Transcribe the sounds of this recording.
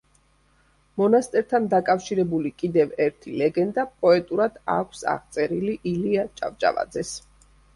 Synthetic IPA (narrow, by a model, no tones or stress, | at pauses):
mɔnast̪ʼɛɾt̪ʰand̪akʼafʃiɾɛbulikʼid̪ɛvɛɾt̪ʰilɛɡɛnd̪apʼɔɛt̪ʼuɾad̪a̰kʷʰsa̰ʁt̪sʼɛɾiliʔiliat͡ʃʼa̰vt͡ʃʼa̰va̰d̪zɛs